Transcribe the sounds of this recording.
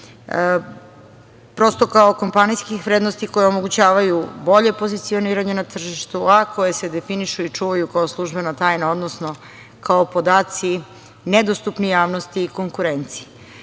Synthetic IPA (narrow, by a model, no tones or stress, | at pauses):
pɾo̞st̪o̞kaoko̞mpanijskixʋɾed̪nost̪iko̞jeo̞mo̞ɡut͡ɕaːʋajubo̞ʎe̞po̞zit̪sio̞niːɾaɲenat̪r̩ʒiʃt̪uako̞je̞se̞d̪e̞finiʃuit͡ʂuːʋajukaoslˠuʒbe̞nat̪aːjnao̞d̪nosno̞ | kaopo̞d̪aːt̪si | ned̪ost̪upnijaːʋnost̪iːko̞ŋkuɾe̞nt̪si̥